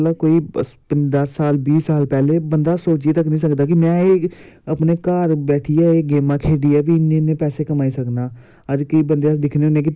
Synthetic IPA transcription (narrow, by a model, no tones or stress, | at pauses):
laːkoːiːpəd̪əsːaːlbiːsaːlpɛːleːbənd̪aːsoːt͡ʃiːt̪əknĩːsəkd̪aːkɪmɛ̃ːeː | əpneːkaːɾbɛːʈʰiːɛːeːɡeːmãːkʰeːɖiːɛːbiːɪnːẽːnẽːpɛːseːkəmaːiːsəknaː | əd͡ʒkəiːbənd̪ead̪ɪkʰneːoːnẽːki